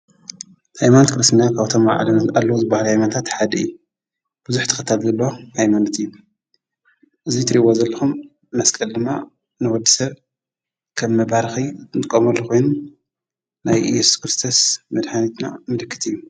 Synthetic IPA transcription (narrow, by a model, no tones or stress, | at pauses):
hajmanot̪kɨɾɨst̪ʰinakʰaβt̪ʰo̞ma̰ʕ̰lalːɐwuzɨbahaluhajmant̪ʰat̪ħad̪ɐɨjːu | b̥ɨzuħt̪ʰɨ̥xɐt̪ʰalzɐlːɐohajmanot̪ɨjːu | ʔɨzit̪ʰɨɾiβozɐlːɐxumː | ɐskʼɐld̪ɨmːa̰ | nɨwɔd̪ːisɐβ | kʰɐmːɐbaɾxit̪t̪ɨkʼːɐmɐlːokʰo̞jnu | najjɛsu̥skɾɨst̪ʰosmɐd̪ħanit̪na̰mɨlɨkʰːɨ̥t̪ɨjːu